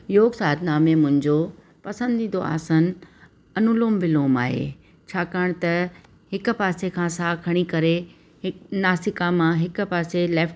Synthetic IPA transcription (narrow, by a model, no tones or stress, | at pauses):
joːɡsaːd̪naːmẽmʊ̃ɦɪ̃ɲd͡ʑo | pɐsə̃nd̪ʱĩːnd̪oa̰ːsən̆ | ɐnʊluːmʋɪloːma̰ːɦḛː | t͡ɕʰaːkaːɪɽ̃t̪ɐ | hɪkʊpaːsekʰãsaːkʰɐɽ̃ikɐɾe | ɦɪnaːsɪkamãɦɪkʊ̆paːselɛːfʈ